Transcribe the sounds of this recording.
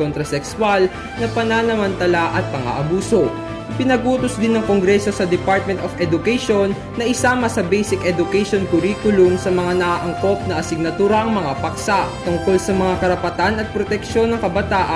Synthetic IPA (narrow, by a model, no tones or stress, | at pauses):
ont̪ɾɐsɛksʊwal | nɐpɐnanɐmɐnt̪ɐlaʔɐt̪̚pɐŋɐ̰ʔɐbuːso̞ | ʔɪpɪnɐɡʔuːt̪osd̪ɪnːɐŋkoŋɡɾɛso̞sɐd̪ɛpaɹt̪̚mɛ̃nt̪ofɛd̪ʊkɛjʃonːɐʔɪsaːmɐsɐbɛjsɪkʔɛd̪ʊkɛjʃonkʊɾiːkʊlʊmsɐmɐŋanɐʔaʔɐŋko̞p̚nɐʔɐsɪɡ̚nɐt̪uːɾɐʔɐŋmɐŋapɐksaʔt̪ʊŋko̞lsɐmɐŋakɐɾɐpɐt̪anɐt̪̚pɾot̪ɛkʃo̞nːɐŋkɐbɐt̪aːʔ